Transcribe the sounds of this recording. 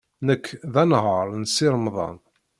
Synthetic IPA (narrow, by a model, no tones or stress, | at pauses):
nəkːðænɦəɾˤnsɪɾˤmðˤɑ̰n